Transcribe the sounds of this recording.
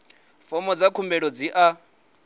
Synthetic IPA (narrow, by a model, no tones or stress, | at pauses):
fɔmɔd͡zakʰumbɛɺɔd͡ziʔa